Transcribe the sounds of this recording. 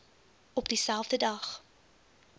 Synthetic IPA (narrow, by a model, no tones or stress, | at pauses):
ɔpdisælˠvdədɐχ